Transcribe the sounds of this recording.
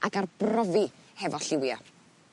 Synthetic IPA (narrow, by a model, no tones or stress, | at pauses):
akarbrɔvihɛvɔɬɪwja̰